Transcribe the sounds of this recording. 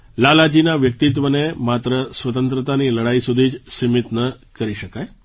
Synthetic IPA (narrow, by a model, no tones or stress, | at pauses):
lalad͡ʒinaʋjək̚t̪it̪ʋənemat̪ɾəsʋət̪ənt̪ɾət̪aniləɽaisud̪ʱiːt͡ʃsimit̪nəkəɾiʃəkaj